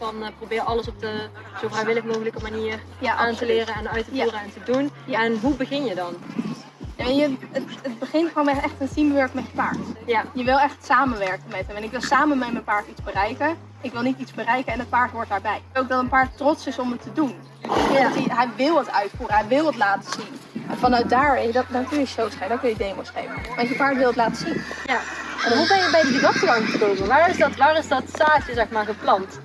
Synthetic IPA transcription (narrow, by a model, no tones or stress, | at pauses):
fɑnprobɪːrɑləsɔp̚də | z̥ovrajʋɪləxmoxələkəmaniːr | jaʔantəlɪːrəɛnœɥtəːrəɛntədunɛnɦubəɣɪnjədɑn | jajəətət̚bəχɪnχonmɛɛχtəntimʋɛɹkmɛtəpaɹtjəʋɪlˠɛχtsaːmənʋɛɹkənmɛtɦəmɛnɪkʋɪlˠsaːmənmɛjmənpaːɹtitzbərɛjkə | ɪkʋɪlˠnitizbərɛjkənɛnət̚paːɹtʋʊɔɹt̚daːɹbɛjowk̚dɔtənpaːɹttːrɔtsɪsɔmətʰːədun | tiɦɛjʋɪlˠətœɥtfuːrənɦɛjʋɪlˠətlaːtəz̥inɛnfɑnœɥt̚daːɹeddɔnkɵnjəʃowsχɛədɔkɨnjədejməsχḛjvənmaɑsjəpaːɹtʋɪlˠətlaːtəzin | ɛnubɛnjəbɛjdidəʋɔtsəaŋχəstozəʋaːɹɪzdɔtʋaːrɪsdɔtsaːtəzɛxmaːɹχəplɑnt